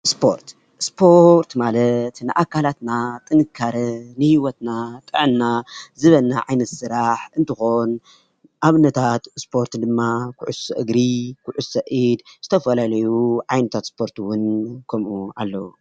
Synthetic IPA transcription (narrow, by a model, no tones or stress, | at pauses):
spʰo̞̰ɾt̪ | spʰo̞ɾt̪malɐt̪nɨʔakʰːalat̪nat̪ʼɨnɨkʰːaɾɐnɨhiwɔt̪nat̪ʼɨʕɨnːazɨβɐlnaʕajnɐt̪sɨɾaħɨnt̪ʰɨxo̞n | ʔaβnɐt̪ʰat̪spʰo̞ɾt̪d̪ɨmːakʰʊʕʊsɐʔɨɡɾikʰuʕusɐʔid̪zɨt̪ʰɐfɐlalɐjuʕajnɨt̪ʰat̪spʰo̞ɾt̪ʰuwʊnkʰɐmʔuʔalːɐwu